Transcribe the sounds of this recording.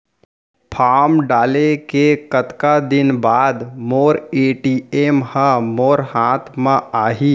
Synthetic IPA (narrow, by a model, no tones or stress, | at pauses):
pʰaːmɖaːlekekət̪kad̪ɪnbaːd̪moːɾeːʈiːeːmhə̃moːɾhaːt̪ʰmãaːɦiː